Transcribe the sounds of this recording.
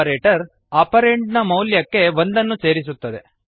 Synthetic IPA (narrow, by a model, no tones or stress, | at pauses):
ɾeːʈɐɾ | aːpɐɾeɳɖnɐmɐwljɐkːe̞ʋo̞nd̪ɐnːuse̞ːɾisut̪ːɐd̪e̞